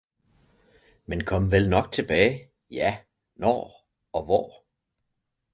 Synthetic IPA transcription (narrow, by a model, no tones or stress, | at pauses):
menkʰɒ̽mʋelnɒ̽ɡ̥̚t͡sʰe̝b̥ɛ̰ːɪ | jæ | nɒ̰ː | ɒ̽ʋɒː